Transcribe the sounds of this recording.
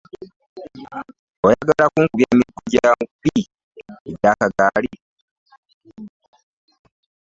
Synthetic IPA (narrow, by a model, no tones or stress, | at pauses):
ojaɡalakuːŋkuβjaːmiɡuɟaamupi | eɟaːkaɡaːli